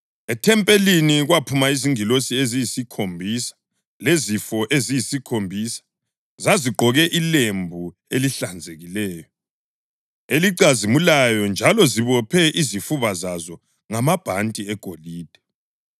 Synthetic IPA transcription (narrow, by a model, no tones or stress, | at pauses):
ɛtʰɛmpʼeliniɣwapʰumaiziŋilosiezijisikʰombʱisḁ | lezifɔʔezijisikʰombʱiːsḁ | zaziɡ͡ǃʱɔɣɛʔilembʱu | eliɬand͡zʱeɣilɛːjɔ | eliǃazimulajɔnd͡ʒʱalɔziβɔpʰɛʔizifuβazazɔ | ŋamab̥ʱantʼiɛɡ̥ʱoliːd̥ʱɛ̥